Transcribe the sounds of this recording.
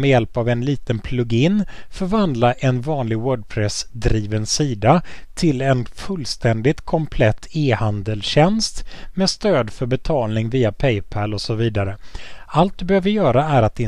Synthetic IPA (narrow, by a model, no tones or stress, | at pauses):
mɛjɛlpavɛnliːt̪ənpʰlɵɡɪnfœɾvand̪laʔɛnvɑːnlɪɡwœːɖ̚pʰɾɛsd̪ɾiːvənsiːd̪at̪ʰɪlɛnfɵlːst̪ɛnd̪ɪt̪kʰɔmpʰlɛt̪ʰːeːhand̪əlɕɛnst̪mɛːst̪øːd̪fœɾbɛt̪ʰɑːlnɪŋviːapʰɛjpʰælɔsɔviːd̪aɾəalt̪̚d̪ɵbɛhøːvəjœːɾaæɾat̪̚d̪ɛ